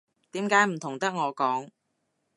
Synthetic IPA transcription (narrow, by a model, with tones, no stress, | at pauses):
t̪iː˨˥mkaː˨˥jm̩˨˩t̪ʰʊ˨˩ŋt̪ɐ˥k̚ŋɔː˨˧kɔː˨˥ŋ